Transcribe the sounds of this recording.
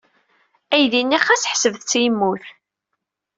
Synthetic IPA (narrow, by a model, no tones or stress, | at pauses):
æjðinːiæχæsəħsəvθt͡sːijmːuθ